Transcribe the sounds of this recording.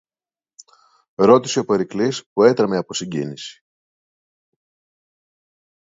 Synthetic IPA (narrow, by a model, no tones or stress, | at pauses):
ɾo̞t̪i̥seopoɾiklispue̞t̪ɾɐmeɐpo̞siɲɟḭnisi̥